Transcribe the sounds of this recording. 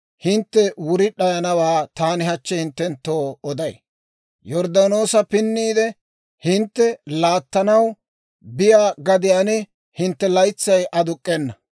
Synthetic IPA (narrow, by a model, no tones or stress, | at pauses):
hɪnt̪ːɛwʊɾɪᶑɐjɐnɐwaːt̪aːnɪhɐt͡ʃːɛhɪnt̪ːɛnt̪ːoːɔd̪ɐj | jɔɾd̪ɐno̞ːsɐpɪnːiːd̪ɛ | hɪnt̪ːɛlaːt̪ːɐnɐw | bɪjaːɡɐd̪ɪjaːnɪ | hɪnt̪ːɛlɐjt͡sːɐjʔɐd̪ʊkʼːɛnːɐ